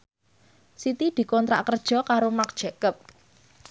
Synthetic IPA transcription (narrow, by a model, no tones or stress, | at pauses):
sit̪id̪̥i̤kɔnt̪ɾa̰ʔkərd̥ʒ̥ɔ̤kaɾomak̚d̥ʒ̥ɛkəp̚